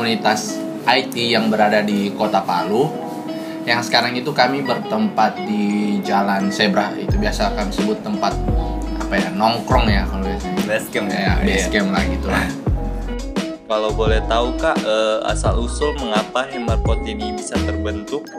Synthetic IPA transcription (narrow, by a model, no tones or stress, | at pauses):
unit̪as | ʔajt̪ijaŋbəɾadadikot̪apalu | jaŋsə̥kaɾaŋit̪ukamibərt̪əmpat̪̚did͡ʒalansebəɾaḭt̪ubiasakamisəbʊt̪ːəmpat̪̚apajanɔŋkɾɔŋjakalobasɛɛskɛjabɛskɛmla̰hɡit̪ula | kalabolɛht̪aukaʔəa̰salusoməŋapaɦɛmarkot̪inibisat̪ərbənt̪ʊk̚